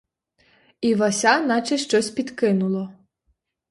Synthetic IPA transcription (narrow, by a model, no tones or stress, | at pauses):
ivasʲanat͡ʃɛʃt͡ʂɔsʲt͡sʲpʲit̪kɨnulˠɔ